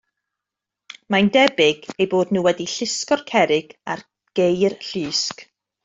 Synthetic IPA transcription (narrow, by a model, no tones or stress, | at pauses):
mandɛbɪɡejboːdnuːwɛdiɬɪskɔrkʰɛɾɪɡ̥ar | ɡ̥ejrɬiːsk